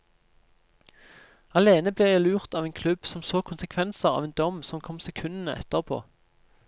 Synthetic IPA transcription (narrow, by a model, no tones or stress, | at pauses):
ɑleːnəbliːjæɪlʉːʁt̪ɑːʋeːnkʰlʉb̥sɔmsoːkʰʊnsəkʰʋɛnsəʁɑ̰ːʋeːnd̪ɔmsɔmkʰɔmsɛkʰʉnən̩əʔɛ̰t̪əʁpʰo̰ː